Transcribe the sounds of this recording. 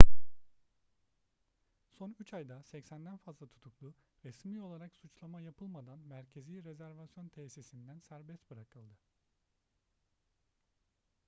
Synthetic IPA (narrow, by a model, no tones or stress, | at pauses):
so̞nyt͡ʃʰajd̪asɛcsænd̪ænfazlˠat̪ʰu̥t̪ʰuklˠuɾɛsmio̞lˠaɾaksut͡ʃlˠamajapʰɯlˠmad̪anmæɾcʰe̞ziːɾezæɾvasjo̞nt̪ʰeːsisind̪ænsæɾbɛst̪̚bɯɾakɯlˠd̪ɯ